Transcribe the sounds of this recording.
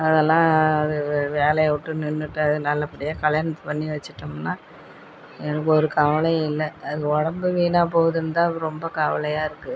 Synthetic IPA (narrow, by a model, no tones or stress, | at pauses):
ɐðɛlːãːɐðɯʋeːlɐjɐʋɪʈːɯnɪnːɯʈːɯɐðɯnɐlːɐpːɐɽɪjaːkɐɭjaːnɐt̪ːɯ̥pɐnːiʋɐt͡ʃːɯʈːɯmnːaː | ɛnɐkːɔɾɯkɐʋɐlɐjɐ̃ɪlːɐːðɯɔɽɐmbɯʋiːnaːpoːʋɐðɯnd̪ãːɯɾɔmbɐkɐʋɐ̰lɐjaːɪɾɯkːɯ